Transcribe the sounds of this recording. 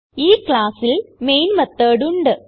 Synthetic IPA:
iːkɭaːsilmejnmɐt̪ːəːɽuɳɖɨ

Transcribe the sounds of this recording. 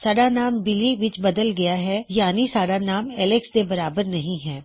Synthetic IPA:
saːɽanaːmbɪliʋɪt͡ʃbɐd̪əlɡɐjaɦɛjaːnisaːɽanaːmɛːlɪksd̪ebɐɾaːbəɾnɐɦĩɦɛː

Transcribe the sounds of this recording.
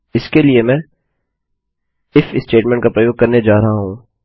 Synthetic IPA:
ɪskeliemɛ̃ː | ɪfɪsːʈeːʈmɛ̃ːɳʈkapɾəjoːɡ̚kɐɾned͡ʒaːɾɐɦaɦũː

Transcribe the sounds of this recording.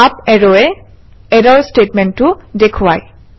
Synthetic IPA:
apɛɹɔɛ | ɛdɔɹstetmɛntːʊdekʰʊwaj

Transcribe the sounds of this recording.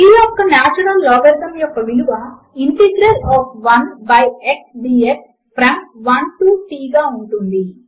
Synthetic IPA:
iːɔkːɐnaːt͡ʃɐɽɐlːɔːɡɐɾd̪ɐmjɔkːɐʋiluʋɐ | iɳʈeɡɾɐɾaːpʋɐnbɐjeksɖiːeʈ | pɾɐŋkʋɐnʈuːʈiːɡaːuɳʈund̪i

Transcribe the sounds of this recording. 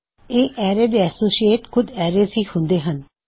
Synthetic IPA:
eːʔɛːɾeːd̪eːɛːsoːsieːʈkʰʊd̪ɛːɾeːzɦiːhʊ̃nd̪eːɦən

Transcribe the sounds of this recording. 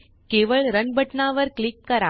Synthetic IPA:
keːʋɐɭɾɐnbɐʈnaːʋɐɾkɭɪkːɐɾa̰ː

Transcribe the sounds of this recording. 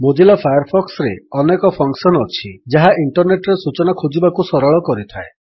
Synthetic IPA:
mod͡ʒilɔpʰajɔɾpʰɔksɔɾeɔnekɔpʰɔŋksɔnɔt͡ʃʰid͡ʒaɦaʔiɳʈɔɾneʈɔɾesut͡ʃɔnakʰud͡ʒibakusɔɾɔɭɔkɔɾit̪ʰae

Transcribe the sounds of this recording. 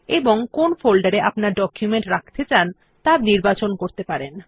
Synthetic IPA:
eboŋkonfolɖaɾeʔapnaɾɖɔkʰjumeɳʈɾakʰt̪et͡ɕan | t̪abniɾbat͡ɕonkoɾt̪epaɾen

